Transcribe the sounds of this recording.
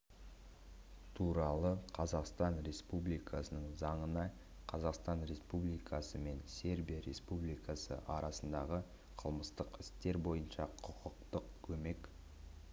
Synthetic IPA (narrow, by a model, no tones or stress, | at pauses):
t̪ʰuɾɑlˠəqʰɑzɑqst̪ɑnɾe̞spublijkʰɑsənəɴzɑɴənɑ | qʰɑzɑqst̪ɑnɾe̞spublijkʰɑsəme̞nse̞ɾbijaɾe̞̰spublijkɑsə̰ʔɑɾʔɑsənd̪ɑʁə | qʰəlˠməst̪əqɪst̪e̞ɾbo̞jənʃɑqʰʊqəq̚t̪əq̚kʲʰɵme̞k